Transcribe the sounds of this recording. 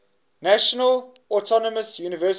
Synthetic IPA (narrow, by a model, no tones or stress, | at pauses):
naʃənəlɔtʰɔnɔməsjuːnɪvɜːs